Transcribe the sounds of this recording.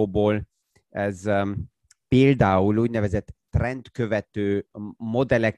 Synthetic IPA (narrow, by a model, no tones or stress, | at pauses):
boːl | ɛz | peːld̪aːuluːɟnɛvɛzɛt̪ːrɛnt̪køvɛt̪øːmo̞d̪ɛlɛk